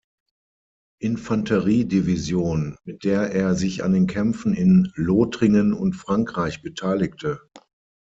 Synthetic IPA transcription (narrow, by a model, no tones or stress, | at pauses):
ʔɪnfantʰəʁiːdivizjoːnmɪt̚d̥eːɐʔeːɐzɪça̰ndeːnkʰɛmfn̩ɪnloːtʁɪŋənʊ̰ntfʁ̥aŋkʁ̥aɪçb̥ətʰaɪlɪktʰə